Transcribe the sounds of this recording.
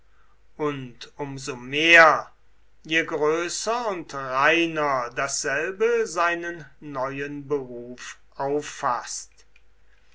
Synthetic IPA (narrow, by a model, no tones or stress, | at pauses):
ʔʊntʊmzomeːɐ | jeɡʁøːsɐʊntʁaɪnɐdasz̥ɛlbəzaɪnənːɔʏənbəʁuːfʔaʊfast